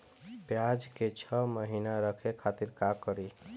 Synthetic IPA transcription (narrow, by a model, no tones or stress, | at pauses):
pjad͡ʒket͡ʃʰəməɦinaɾəkʰekʰat̪iɾkakəɾi